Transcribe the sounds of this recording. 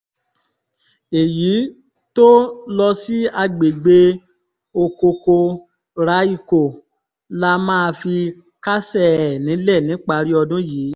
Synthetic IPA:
e˨ji˨˦ | to˦lɔ˧si˦a˧ɡ͡be˨ɡ͡be˧ | o˧ko˧ko˧ | ɾa˨˦i˦˨ko˨ | la˦mãː˦˧fi˧ | ka˦sɛ˦˨nĩ˨˦lɛ˦˨nĩ˨˦k͡pa˧ɾi˦ɔ˧dũ˦jiː˨˦

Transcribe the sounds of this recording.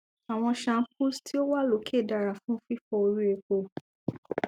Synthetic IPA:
a˨w̃ɔ̃˧ʃã˧˦ku˦stʰi˦o˦wa˦lo˨˦kʰe˦˨da˨ɾa˨fũ˦fi˦fɔ˧o˧ɾu˦e˧k͡po˧

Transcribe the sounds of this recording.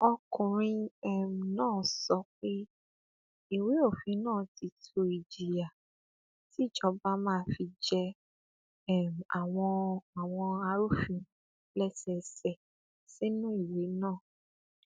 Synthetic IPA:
ɔ˧kũ˨ɾ̃ĩ˧ɛ˦˨m˨nãː˦˨sɔ˧˦k͡pe˦ | i˦˨we˨˦o˦˨fĩ˨˦nãː˦˨ti˧˦tʰo˧i˨d͡ʒi˨ja˨ | ti˨˦˨d͡ʒɔ˧˦ba˦mãː˦˧˦fi˧d͡ʒɛ˦˨ | m˨a˨w̃ɔ̃˧a˨w̃ɔ̃˧a˧ɾu˦fĩ˧ | lɛ˦sɛ˧sɛ˦˨ | si˦nũ˦i˦˨we˨˦nãː˦˨

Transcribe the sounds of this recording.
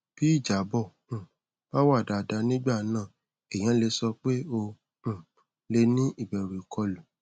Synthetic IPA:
b̥i˦i˦˨d͡ʒa˨˦bɔ̃˦˨ | ba˦wa˦˨da˧˨da˧˦nĩ˦ɡ͡ba˦˨nãː˦˨ | ɛ˨j̃ã˨˦le˧sɔ˧k͡pe˦õ˧˦˨ | le˧nĩ˦ʔi˦˨bɛ˨ɾe˨kʰɔ˧lu˨

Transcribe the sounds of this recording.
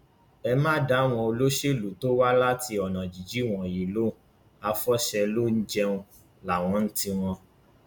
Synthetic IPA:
ɛ˧mã˦da˦w̃ɔ̃˧o˧lo˦ʃe˦˨lu˨to˦wa˦la˦ti˧ɔ˨nã˨d͡ʒi˨d͡ʒi˨˦˨w̃ɔ̃˨ji˨lo˨˦ | a˧fɔ˦ʃɛ˧lo˦n̩˦d͡ʒɛ˦˧ũ˧ | la˨w̃ɔ̃˨˦n̩˦ti˧w̃ɔ̃˧

